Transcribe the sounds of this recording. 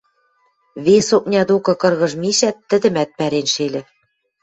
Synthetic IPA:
βesok̚nʲɑd̪okɤ̆kɤ̆rɣɤ̆ʒmiʃæt̪ːɘ̆d̪ɘ̆mæt̪̚pæɾenʃelʲɘ̆

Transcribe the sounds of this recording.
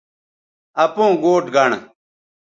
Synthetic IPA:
ɐpõːɡoːʈɡɐɳ

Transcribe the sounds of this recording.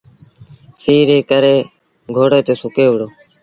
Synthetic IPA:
siːɾeːkəɾeː | ɡʱoːɽeːt̪eːsʊkeːʋəɽoː

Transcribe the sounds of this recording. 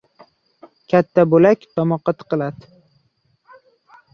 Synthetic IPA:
kʲʰat̪ʰːabolakʲt̪ʰɒmɒqːɑt̪ʰɨ̥qɨlˠad̪ɪ

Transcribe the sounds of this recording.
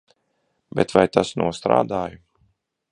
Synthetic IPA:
bɛt̪vajt̪asnṵɔst̪ɾa̰ːd̪aːju

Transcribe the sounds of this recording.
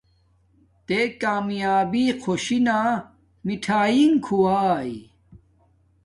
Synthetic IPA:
t̪ekaːmjaːbiːkʰoɕinaː | miʈʰaːiŋkʰuaːj

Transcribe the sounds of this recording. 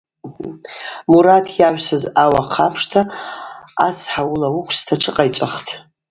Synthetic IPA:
m̩ | muɾatʰjaʒʷᶣsɨzawaqʰapʰʂtʰa | a̰t͡sʰħawulawukʷʰstʰaʈ͡ʂʰɨqʼajt͡ʃʷʼaχtʰ

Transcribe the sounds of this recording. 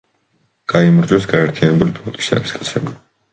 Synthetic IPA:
ɡ̥aimɾd͡ʒwɛsɡaɛɾt̪ʰianɛbulipʰũŋkt̪ʼi̥sa̰ɾiskʼat̪sʰɛbi

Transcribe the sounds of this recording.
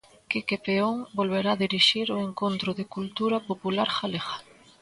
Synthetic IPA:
kɪkepeoŋbolβeɾaðiɾiʃiɾoeŋkont̪ɾʊðeɪkult̪uɾɐpopulaɾxalexḁ

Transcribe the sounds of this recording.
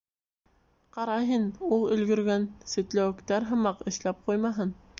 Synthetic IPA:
qɑɾɑɦɤnulˠɵ̆lɡɵ̆ɾɡænsɵ̆t̪læwɘ̆kt̪æɾɦɤ̆mɑqɘ̆ʃlæp̚qujmɑɦɤn

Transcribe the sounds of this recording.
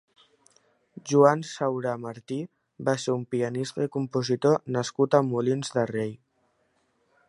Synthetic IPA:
ʒuansawɾaməɾt̪i | baseɾumpiənist̪əikumpuzit̪onəskut̪əmːulinzðərej

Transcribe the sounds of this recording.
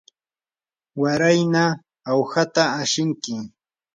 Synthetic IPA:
waɾajnaː | what̪aːʃɪŋkɪ

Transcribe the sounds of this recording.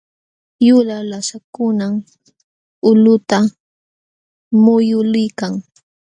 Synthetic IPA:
jʊlalasakʊnam | ʊlʊt̪a | mʊjʊlɪjkaŋ

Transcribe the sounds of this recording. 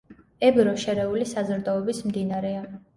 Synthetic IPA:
ɛbɾɔʃɛɾɛulisazɾd̪ɔɔbismd̪inaɾɛa

